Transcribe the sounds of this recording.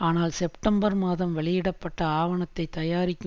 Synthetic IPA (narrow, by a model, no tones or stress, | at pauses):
aːnaːlsɛpʈɐmbɐɾmaːðɐmʋɛɭɪjɪɽɐpːɐʈːɐaːʋɐɳɐt̪ːɐɪt̪ːɐjaːɾɪkʲː